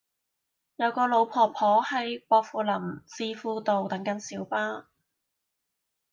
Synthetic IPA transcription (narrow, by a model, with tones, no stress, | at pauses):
jɐ˨˧wkɔː˧lo˨˥wpʰɔː˨˩pʰɔː˨˥hɐ˨˥jpɔː˧k̚fuː˨˧lɐ˨˩mt͡siː˧fuː˧t̪o˨wt̪ɐ˨˥ŋkɐ˨˥nsiː˨˥wpaː˥